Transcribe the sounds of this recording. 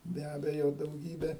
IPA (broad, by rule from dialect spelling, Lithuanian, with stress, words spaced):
bʲɛ ˈɑːbʲɛjoː dɐʊˈɡʲiːbʲeː